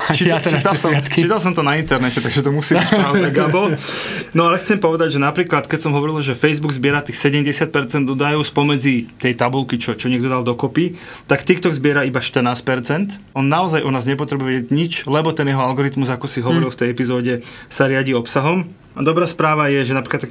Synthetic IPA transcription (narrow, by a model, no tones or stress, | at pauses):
t͡ʃiat͡ʃit̪asɔkiːt̪als̬ɔmt̪ɔnaint̪ɛɾnɛcɛt̪aɡʒɛt̪ɔmusiːiaɛɡabɔlnɔalɛxt͡sɛmpɔʋɛd̪aɟʒɛnapɾiːklat̪kɛcsɔmɦɔʋɔɾilʒɛfɛjzbuɡzbɪɛɾat̪ixsɛɟɛmɟɛsɪat̪̚pɛɾt͡sɛnd̪ɔd̪ajɔspɔmɛd͡zit̪ɛjt̪abulkit͡ʃɔt͡ʃɔɲɪɛɡd̪ɔd̪ald̪ɔkɔpi | t̪akt̪ikt̪ɔɡzbɪɛɾaibaʃt̪ɾnaːspɛɾt͡sɛnt̪ | ɔnːaɔzajʔɔnaːzɲɛpɔt̪ɾɛbujʋɛɟɛɟɲit͡ʃlɛbɔt̪ɛnjɛɦɔalɡɔɾit̪muzakɔsiɦɔʋɔɾilft̪ɛjɛpizɔːɟɛ | saɾɪaɟiɔpsaɦɔm | ad̪ɔbɾaːspɾaːʋajɛʒɛnapɾiklat̪ːak